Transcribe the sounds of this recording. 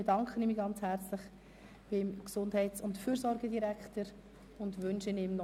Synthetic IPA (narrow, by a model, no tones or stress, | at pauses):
ed̥ɑŋkχənimiɡɑnt͡shæɾt͡slɪχ | b̥ɪmksʊndhɛɪtsʊntfyːɾzɔɾɡədiɾækχtəɾ | ʊndʋʏnʃənɪmnɔ